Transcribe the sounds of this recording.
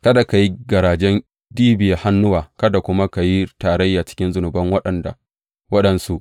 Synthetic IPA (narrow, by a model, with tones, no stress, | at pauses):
kɐ˦da˨ka˨ji˦ɡɐ˨ɾaː˨d͡ʒɛ˦n | diː˦bɪ˨ja˨ha˦nːʊ˦waː˨kɐ˦da˨kʷʊ˦ma˦ka˨ji˦taː˨ɾɐ˦jːaː˨t͡ʃɪ̥˦kʲɪ˦nzʊ˨nʊ˨bɐ˦ŋwɐ˦ɗɐ˨nda̰˨ | wɐ˦ɗɐ˨nsu˦ʔ